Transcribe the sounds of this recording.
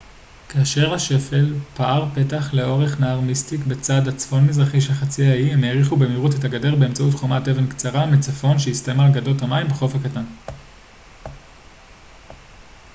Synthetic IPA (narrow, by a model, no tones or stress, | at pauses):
kaːʃe̞ʁhaʃe̞fe̞lpaaʁpe̞taχle̞o̞ʁe̞χnaaʁmistikbe̞t͡sadat͡sfo̞nmizʁaχiʃ̬elχat͡siaimeːʁiχubemiʁut̬ethaɡade̞ʁbe̞emt͡sautχomatevenkt͡saʁamit͡safo̞nʃeistajmalɡadothamaimbeχo̞fhakatan